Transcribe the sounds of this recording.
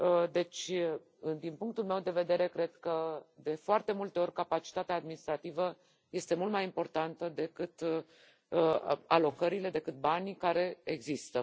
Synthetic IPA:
əd̪e̞t͡ʃʲ | d̪inpuŋkt̪ulmewd̪e̞ve̞d̪e̞ɾe̞kɾe̞d̪kəd̪e̞foart̪e̞mult̪e̞o̞rʲkapat͡ʃi̥t̪at̪eaːd̪minist̪ɾat̪ivə | je̞st̪e̞mult̪majimpo̞rt̪ant̪əd̪e̞kɨt̪ | alo̞kəɾile̞d̪e̞kɨt̪̚banʲkaɾe̞eɡzist̪ə

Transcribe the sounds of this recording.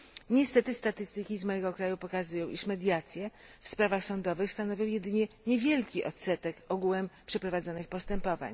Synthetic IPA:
ɲɛst̪ɛt̪ɘst̪at̪ɘst̪ɘkʲizmɔjɛɡɔkɾajupɔkazujɔ̃w̃ʔiʂmɛd̪ʲjat̪sʲjɛ | fspɾavaxsɔnd̪ɔvɘxst̪anɔvʲjɔ̃w̃jɛd̪ɘɲɛɲɛvʲjɛlkʲiʔɔt̪sɛt̪ɛkɔɡuwɛmpʂɛpɾɔvad̪zɔnɘxpɔst̪ɛmpɔva̰ɲ

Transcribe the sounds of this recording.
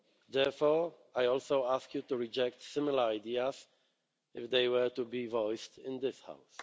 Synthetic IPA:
ðɛɹfɔ | ajɔlˠsoʊaskʰjutuɹid͡ʒɛk̚tsɪmɪlˠəaɪdiəz | ɪfðeɪwə˞tubivɔɪstɪ̃nðɪsha̰ʊs

